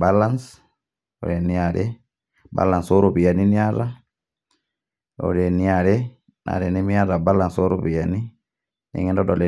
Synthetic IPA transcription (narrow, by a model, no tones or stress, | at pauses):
balans | ɔ̰ɗɛniaɗɛ | ba̰lːansoɾobijaniniaɾa | ɔ̰ɗɛniaɗɛ | na̰ɗɛnɛmijaɾabalansoɾubijani | nɛ̰ŋɛndɔɗɔlɛ